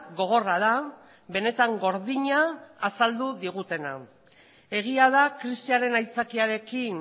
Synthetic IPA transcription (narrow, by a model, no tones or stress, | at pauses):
ɡo̞ɣ̞o̞raða | βe̞ne̞t̪aŋɡo̞ɾðiɲaːsald̪uðiɣ̞ut̪e̞na | e̞ɣ̞iað̞akɾisiaɾe̞najt͡sakiaɾe̞kin